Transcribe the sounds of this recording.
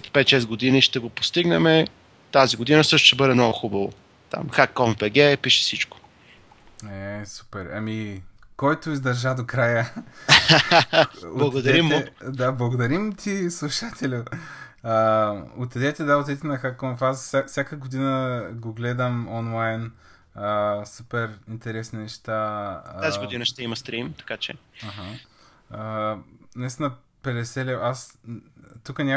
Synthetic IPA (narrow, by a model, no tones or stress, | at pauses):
t̪pɛt̪ʃɛsɡod̪iniʃt̪ɛɡopo̥st̪iɡnɛmɛ | t̪aziɡod̪inəsɤʃt̪ʊʃt̪ɛbɤd̪ɛmnɔɡʊxubɐvo̰ | t̪a̰mxakːɔmbɛɡɛpiʃɛ̥sit͡ʃko̥ | ɛsu̥pɛɾɐ̰mi | kɔjt̪oizd̪ɐɾʒad̪okɾajə | olˠɐɡ̪d̪ɐɾimːod̪ablˠɐɡod̪ɐɾimt̪ʰislˠuʃat̪ʰɛlʲʊ | əot̪ɛd̪ɛt̪ɛd̪aot̪ʲɛt̪ɛnɐxakonfassʲafsʲjakəɡod̪inəɡoɡlɛd̪əmonlˠajn | əsupɛɾint̪ɛɾɛsninɛʃt̪aaziɡod̪inəʃt̪ɛimɐst̪ɾimt̪ɐ̥kat͡ʃɛ̰aɦa | ənɐist̪ʲinɐ | pɛd̪ɛsɛlɛas | t̪ukənʲa